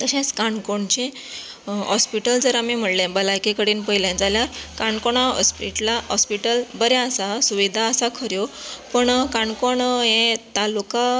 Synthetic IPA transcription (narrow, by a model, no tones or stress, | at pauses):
t̪əɕẽskaɳkoɳt͡ɕẽ | ɦɔspiʈəld͡zəɾamim̤əɽlẽbəlajkekəɽiːnpəɦjljãnd͡zaljaɾkaɳkoɳ̃aɦɔ̰spiʈlaɦɔspiʈəlbəɾeəsasuʋid̪ʱaəsakʰəɾjopəɳkaɳkoɳɦẽt̪aluka